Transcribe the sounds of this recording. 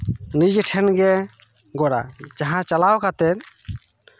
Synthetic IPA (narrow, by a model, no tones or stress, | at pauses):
nid͡ʒʈʰɛnɡɛ | ɡɔɾa̰d͡ʒaɦãt͡ʃalawkat̪ɛt̪̚